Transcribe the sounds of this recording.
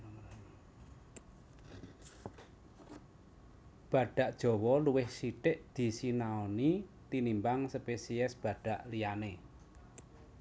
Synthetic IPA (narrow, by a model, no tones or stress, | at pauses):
b̥ä̤ɖ̥ä̤ʔd̥ʒ̥ɔ̤wɔluwɪhsiʈɪʔd̪̥i̤sinaonit̪inimbaŋsəpesiɛsb̥ä̤ɖ̥ä̤ʔliane